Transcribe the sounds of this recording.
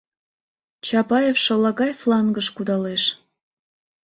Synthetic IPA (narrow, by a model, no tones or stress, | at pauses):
t͡ɕɑpɑjefʃolɑɣɑjflˠɑŋɡəʃkud̪ɑleʃ